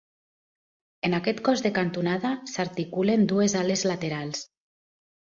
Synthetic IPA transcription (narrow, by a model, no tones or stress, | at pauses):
enakɛt̪kɔzðekant̪unaðasaɾt̪ikulend̪uezalezlat̪eɾals